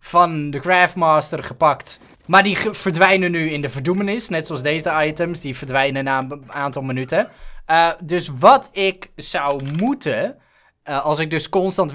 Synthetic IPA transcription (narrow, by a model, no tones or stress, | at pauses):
fɑndəkraːftmaːstərχəpɑkt | maːɹdiv̥ərdʋɛjnənyɪndəvəɹdumənɪsnɛtsoɑzdejzəɑjtəmsdivəɹdʋɛjnənaaːntɑlˠmənytə | dɵsʋɑtɪksawmutə | ɑlˠsɪɡ̚dɵskɔnstɑnt